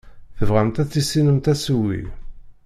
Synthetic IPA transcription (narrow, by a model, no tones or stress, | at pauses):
θəvʁæmt̪æt͡sːisːinəmt̪æswḭ